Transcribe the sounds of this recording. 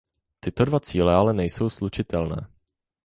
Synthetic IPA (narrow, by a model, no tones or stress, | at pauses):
t̪ɪt̪o̞dvat͡siːlɛalɛnɛjso̞wslut͡ʃɪt̪ɛlnɛ̰ː